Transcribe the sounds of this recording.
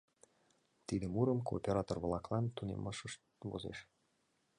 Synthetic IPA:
t̪id̪əmuɾəmko̰ːpʲeɾɑt̪orβlˠɑklˠɑnt̪unḛmɑʃəʃt̪βo̰zḛʃ

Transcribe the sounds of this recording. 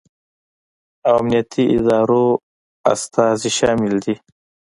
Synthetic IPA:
awamnijat̪ʰiʔɪ̰d̪ɑːɾo | a̰st̪ɑːziʃɑːmɪld̪i

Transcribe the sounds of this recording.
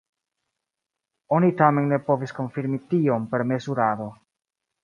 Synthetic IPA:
o̞nitame̞nːe̞po̞visko̞nfiɾmitio̞mpe̞ɾme̞zuɾado̞

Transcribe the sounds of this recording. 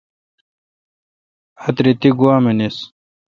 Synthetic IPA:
ɐt̪ɾit̪iɡuwaːmenis

